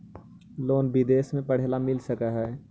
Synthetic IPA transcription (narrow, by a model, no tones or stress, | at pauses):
loːnbɪd̪eːsmẽpəɽ̤ɦelamɪlsəkaɦɛː